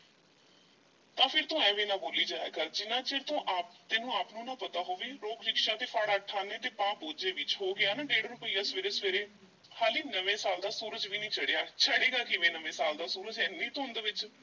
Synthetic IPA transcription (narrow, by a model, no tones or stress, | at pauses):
t̪ãːpʰɪɾt̪õːɛ̃ːʋeːnãːboːliːd͡ʒaːḛːkəɾd͡ʒɪnãːt͡ʃeɾt̪õːʔaːpt̪ɪnũːaːpnũːnãːpət̪aːɦoːʋeːɾoːkɾɪkʃaːt̪eːfʰaːɽaːʈʰːaːneːt̪eːpãːboːd͡ʒeːʋɪt͡ʃɦoːɡɪaːnãːɖeːɽɾʊpəiːaːsʋeːɾeːsʋeːɾeː | haːliːnəʋẽːsaːld̪aːsuːɾəd͡ʒʋiːnĩːt͡ʃəɽeːaːt͡ʃʰəɽeːɡaːkɪʋẽːnəʋẽːsaːld̪aːsuːɾəd͡ʒɛ̃ːnĩːt̪õnd̪eːʋɪt͡ʃ